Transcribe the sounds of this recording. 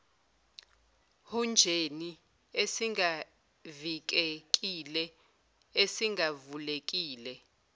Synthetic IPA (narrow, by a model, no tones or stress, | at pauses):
hund͡ʒʱeni | esiŋa | vik̬ʼek̬ʼilɛ | esiŋʱavulek̬ʼiːlɛ